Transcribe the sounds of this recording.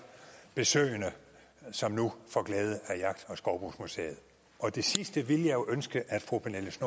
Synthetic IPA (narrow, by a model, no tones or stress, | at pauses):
b̥e̝sø̰ːɪənə | sɒ̽mnufɒɡ̥lɛːð̞ˠəæɐjɑ̈ɡ̥̚d̥ɒ̽sɡ̥ɒʊb̥ʁuːsmusḛːɐð̩ˠ | ʔɒ̽d̥e̝sisd̥əʋiləjɑ̈jo̝ʔønsɡ̥əʔæd̥fʁo̝ːpʰeneləsno